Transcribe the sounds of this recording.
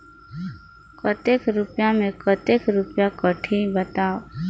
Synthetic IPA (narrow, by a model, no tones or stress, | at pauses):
kət̪ekɾʊpjamẽkət̪ekɾʊpjakəʈʰibət̪aːo